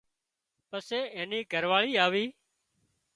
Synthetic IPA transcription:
pəseːeːniːɡʱəɾʋaːɭiːaːʋiː

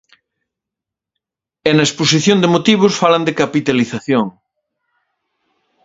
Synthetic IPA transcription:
enɐesposiθjõnd̪emot̪iβ̞ʊsfaland̪ekapit̪aliθaθjoŋ

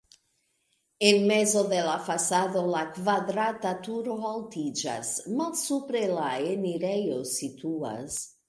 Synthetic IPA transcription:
enmezoðelafasaðolakvadɾat̪at̪uɾoalt̪id͡ʒa̰smalsupɾelaeniɾejosit̪ua̰s

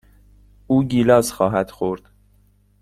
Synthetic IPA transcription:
uːɟiːlɒːzxɒːɦæd̪̥xoɾd̪̥

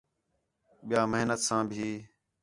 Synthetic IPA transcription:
ɓɪjaːməɦnət̪sãːbʱiː

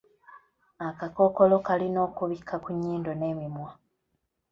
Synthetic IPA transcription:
akako̞ko̞lo̞kalino̞ːkuβikʰːakuɲːiːndo̞neːmimwa

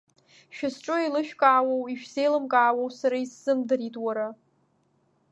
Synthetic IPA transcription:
ʃᶣasʈ͡ʂʼoelɨʃᶣkʼaːwowiʃᶣze̞jlɨmkʼaːwowsaɾaisːɨmdaɾitʼwaɾa

